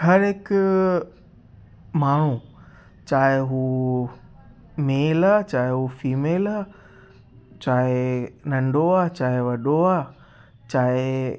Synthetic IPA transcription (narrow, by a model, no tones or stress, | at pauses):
hɐɾɦɪk | maːɽ̤ũ | t͡ɕaːɦɪɦu | meːlaːt͡ɕaːɦeɦufiːmeːlaː | t͡ɕaːɦenɐ̃ɳɖoaːt͡ɕaːɦɪʋɐɗoaː | t͡ɕaːɦɪ